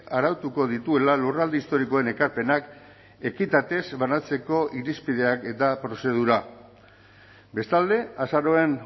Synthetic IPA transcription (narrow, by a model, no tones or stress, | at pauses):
aɾawt̪uko̞ð̞it̪ue̞lalurald̪eist̪o̞ɾiko̞e̞ne̞kaɾpe̞nak | e̞kit̪at̪e̞zβanat͡se̞ko̞ʔiɾispið̞e̞ake̞t̪apɾo̞se̞ð̞uɾa | be̞st̪ald̪e̞asaɾo̞e̞n